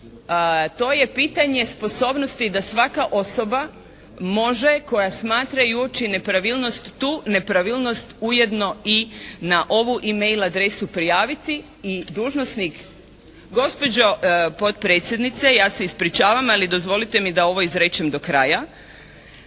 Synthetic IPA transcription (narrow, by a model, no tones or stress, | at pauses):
t̪o̞ːje̞piːt̪aɲe̞spo̞so̞ːbnost̪id̪asʋakaʔo̞so̞ba | mo̞ʒe̞ko̞jasmaːt̪ɾaiuot͡ʃine̞pɾaʋilˠno̞st̪ːuːne̞pɾaʋilˠno̞st̪uje̞d̪no̞inaʔo̞ʋuʔimejlad̪ɾe̞supɾijaːʋit̪iː | d̪uːʒno̞snik | ɡo̞spo̞d͡ʑo̞po̞t̪pɾe̞ːt̪sʲjed̪nit̪sejaːseispɾit͡ʃaːʋamalid̪o̞zʋo̞lit̪e̞mid̪ao̞ʋo̞izɾet͡ʃemd̪o̞kɾa̰ja